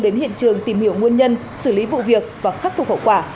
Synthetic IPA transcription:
ɗe˨˦nhḭ˧˨ənt͡ɕɨ˨˩əŋt̪i˧˩mhi˧˩əwŋi˧ənɲə˧n | sɨ˧˩li˨˦vṵ˧˨vi˨˩ək̚vaː˨˩xaː˦˥t̚fʊ˨˩k͡p̚ho̰˧˨wkwaː˧˩

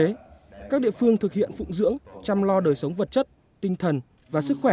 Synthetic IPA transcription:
e˨˦kaː˦˥k̚ɗḭ˧˨əfɨ˧əŋt̪ʰɨ˨˩k̚hḭ˧˨ənfʊ̰˧˨ŋ͡mzɨ̰˧˥əŋt͡ɕa˧mlɔ˧ɗəː˨˩jsə˨˦wŋ͡mvə˨˩t̚t͡ɕə˦˥t̚ | t̪ï˧ŋ̟t̪ʰə˨˩n | vaː˨˩sɨ˦˥k̚xwɛ˧˩

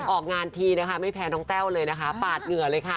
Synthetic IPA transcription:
ʔɔː˨˩k̚ŋaː˧nt̪ʰiː˧na˦˥kʰa˥˩ma˥˩jpʰɛː˧nɔː˦˥ŋt̪ɛː˥˩wlɤː˧jna˦˥kʰa˦˥paː˨˩t̪̚ŋɯ˨˩ɐlɤː˧jkʰa˥˩

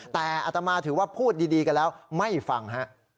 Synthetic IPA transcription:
t̪ɛː˨˩ʔa˨˩t̪a˧maː˧t̪ʰɯː˩˦waː˥˩pʰuː˥˩t̪̚diː˧diː˧ka˧nlɛː˦˥wma˥˩jfa˨˩ŋɦa˦˥ʔ

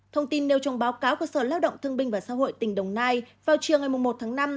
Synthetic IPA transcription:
t̪ʰə˧wŋ͡mt̪i˧nːe˧wt͡ɕɔ˨˦wŋ͡mɓaː˨˦wkaː˨˦wkəː˧˩səː˧˩laː˧˥wɗə̰˧˨wŋ͡mt̪ʰɨ˧əŋɓï˧ŋ̟vaː˨˩saː˧˥ɦo̰˧˨jt̪ï˧˩ŋ̟ɗə˨˩wŋ͡mnaː˧j | vaː˨˩wt͡ɕɨ˨˩əŋa˨˩jmʊ˨˩ŋ͡mmo˨˩t̚t̪ʰaː˨˦ŋna˧m

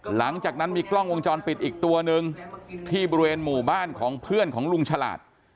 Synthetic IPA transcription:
la˩˦ŋt͡ɕaː˨˩k̚na˦˥nmiː˧klɔ˥˩ŋwo˧ŋt͡ɕɔː˧npi˨˩t̪̚ʔiː˨˩k̚t̪u˧ɐnɯ˧ŋt̪ʰiː˥˩bɔː˧ɾi˧weː˧nmuː˨˩baː˥˩nkʰɔː˩˦ŋpʰɯ˥˩ənkʰɔː˩˦ŋlu˧ŋt͡ɕʰa˧la̰ː˨˩t̪̚

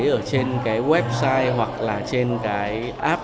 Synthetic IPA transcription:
jʔəː˧˩t͡ɕe˧nkaː˨˦jɣwɛ˦˥p̚saː˧jɦwa˨˩k̚laː˨˩t͡ɕe˧nkaː˨˦j | ʔaː˦˥p̚

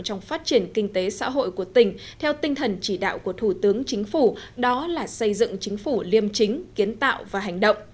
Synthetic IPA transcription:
t͡ɕɔ˧wŋ͡mfaː˦˥t̚t͡ɕi˧˩ənkï˧ŋt̪e˨˦sa̰ː˧˥ɦo̰˧˨jku˧˩ət̪ï˨˩ŋ̟ | t̪ʰɛ˧wt̪ï˧ŋ̟t̪ʰə˨˩nt͡ɕi˧˩ɗa̰ː˧˨wku˧˩ət̪ʰu˧˩t̪ɨ˨˦əŋt͡ɕï˨˦ŋ̟fu˧˩ɗɔ˨˦laː˨˩sə˧jzɨ̰˧˨ŋt͡ɕï˨˦ŋ̟fu˧˩li˧əmt͡ɕï˨˦ŋ̟ki˨˦ənt̪a̰ː˧˨wvaː˨˩ɦa˨˩jŋ̟ɗə̰˧˨wŋ͡m

